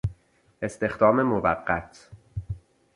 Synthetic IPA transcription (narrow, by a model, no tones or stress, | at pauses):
ʔe̞st̪e̞xd̪ɒːme̞movæɢːæt̪ʰ